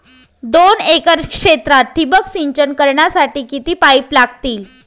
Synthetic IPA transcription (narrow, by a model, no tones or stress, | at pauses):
d̪onekəɾkʂet̪ɾat̪̚ʈʰːibəksiɲt͡ɕənkəɾɳjasaʈiːkit̪iːpaiplaɡt̪iːl